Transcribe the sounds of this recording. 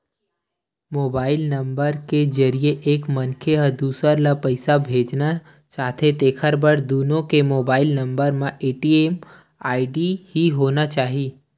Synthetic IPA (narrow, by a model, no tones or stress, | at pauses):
moːbaːɪlnəmbəɾked͡ʒəɾijeʔeːkmənkʰeɦəd̪uːsəɾlapəɪsabʱeːd͡ʒna | t͡ʃaːɦt̪ʰet̪eːkʰəɾbəɾd̪uːnõkemoːbaːɪlnə̃mbəɾmãʔeːʈieːm | aːɪɖihiɦoːnat͡ʃaːɦiː